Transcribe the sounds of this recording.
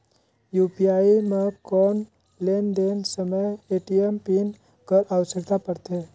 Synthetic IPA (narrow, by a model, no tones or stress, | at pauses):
jupiaimekɔn | lend̪ensəməjeʈiempin | kəɾʔaʋəsəkt̪apəɾt̪e